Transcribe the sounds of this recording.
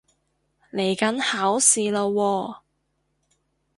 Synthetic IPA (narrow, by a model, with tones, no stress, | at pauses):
le˨˩jkɐ˨˥nhaː˨˥wsiː˨lo˧wɔː˧